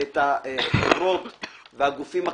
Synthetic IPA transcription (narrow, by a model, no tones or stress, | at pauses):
et̪aɾot̪ | veaɡufima